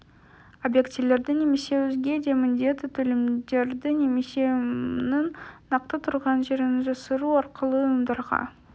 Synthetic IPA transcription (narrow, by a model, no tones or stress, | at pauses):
objekt̪ʲivle̞ɾd̪ɪne̞me̞se̞wɵzɡʲe̞d̪e̞mɪnd̪e̞t̪ːɪt̪ʰɵlemd̪e̞ɾd̪ɪne̞me̞se̞nɪŋːɑq̚t̪ət̪ʰʊɾʁɑnʒe̞ɾɪnɪʒɑsəɾuɑɾqəlˠəjəmd̪ɑɾʁɑ̰